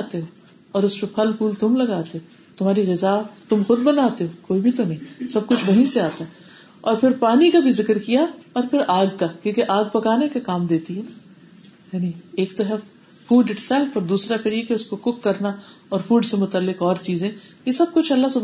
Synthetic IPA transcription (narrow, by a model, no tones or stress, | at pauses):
at̪eɦo | ɔːɾʊspepʰɐlpʰuːlt̪ʊmlɐɡaːt̪eɦo | t̪ʊm̤aːɾiɣɪzat̪ʊmxʊd̪̚bɐnaːt̪eɦokoːibʱit̪onɐɦĩsɐb̚kʊt͡ʃʰbɐɦĩseaːt̪aɦɛ | ɔːɾpʰɪɾpaːnikabʱizɪkɾkijaɔːɾpʰɪɾʔaːɡkakjõːkeʔaːɡ̚pɐkaːnekekaːmd̪eːt̪iɦɛː | jaːnieːkt̪oɦɛ | fuːɖɪʈsɛlfɔːɾd̪uːsɾakɐɽiekeʊskokʊkːɐɾnaɔːɾfuːɖsemʊt̪əlːɪkɔːɾt͡ʃiːzẽjesɐb̚kʊt͡ʃʰɐlːasʊb